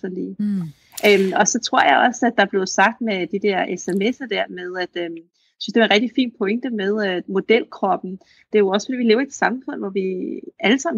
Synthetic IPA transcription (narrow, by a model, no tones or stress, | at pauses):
fɒlḭː | ʔømɒ̽sɒ̽t͡sʰʁo̝ɐ̰jɑ̈ɪɒ̽sæd̥ɑ̈b̥le̝ð̩ˠsɑ̈ɡ̥̚d̥med̥id̥ɛɐ̰ʔeseme̝sɐd̥æɐ̰með̞ˠæd̥ø | jsynsd̥eʋɑ̈nʁɛɡ̥̚d̥ifḭːnpʰɔ̽eŋ̰d̥əmeð̞ˠmo̝d̥el̰kʰʁɒ̽b̥n̩ | d̥e̝æjo̝ɒ̽sfdḭːʋile̝ːʊɐied̥sɑ̈mfɔ̽n̰ʋɒʋiæləsɑ̈m